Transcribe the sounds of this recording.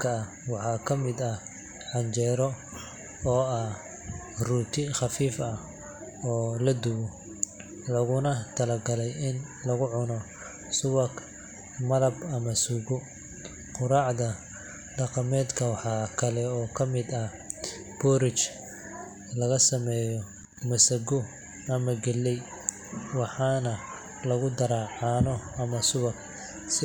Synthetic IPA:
kʰɐː | wɑħɑːkʰɐmɪd̪ɐh | ʕɑɲt͡ʃɛːɾɔ | ɔːɐh | ruːt̪ʰɪχɑfiːfɐ | ɔːlɐd̪ʊwɔ | lɐɣʊnɐt̪ʰɐlɐɡɐlɛjɪn | lɐɣʊʕʊnɔ | sʊwɐk | mɐðɐbɐmɐsuɣʊ | qʊɾɑːʕd̪ɐ | ɖɑqɑmɛːd̪kʰɐwɑħɑkʰɐlɛɔːkʰɐmɪd̪ɐh | b̥ɔɾɪt͡ʃ | lɐɣɐsɐmɛːjɔ | mɐsɐɡʊ | ɐmɐɡɛlːɛj | wɑħɑːnɐ | lɐɣʊd̪ɐɾɑːʕɑːnɔɐmɐsʊwɐk | sɪ

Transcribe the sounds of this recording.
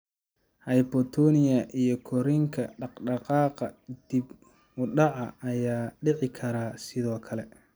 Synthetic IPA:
hɐjpɔt̪ʰɔnɪjɐʔijɔkʰɔɾiŋkʰɐɖɑqɖɑqɑːqɐd̪̥ib | ʊɖɑʕɑɐjaːɖɪʕɪkʰɐɾaːsɪðɔːkʰɐlɛ

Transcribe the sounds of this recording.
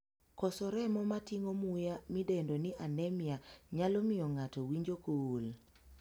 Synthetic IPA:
kɔsɔɾɛmɔmatiŋomujamidendoniʔanɛmɪaɲalɔmɪjɔŋatɔwiɲd͡ʒokowol

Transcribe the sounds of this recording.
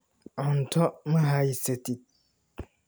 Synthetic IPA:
ɔ̃n̩tʰɔmɪ̃ɦaiseti

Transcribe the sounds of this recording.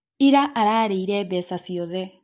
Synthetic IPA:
iɾaʔːɾaɾeiɾeβesasioðe

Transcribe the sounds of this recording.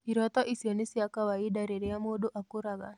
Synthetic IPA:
iɾɔt̪ɔʔisionisiakawaidaɾeɾiamoɗoʔakuɾaɡa̰

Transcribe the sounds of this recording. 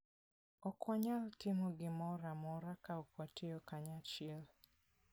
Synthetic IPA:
ɔkwaɲaltɪmɔɡɪmɔɾamɔɾakaukwatiɔkaɲat͡ʃɛl

